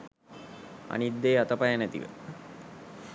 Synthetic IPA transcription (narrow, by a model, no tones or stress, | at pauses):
a̰nid̪ːeːat̪ɐpajanæt̪ḭʋə̰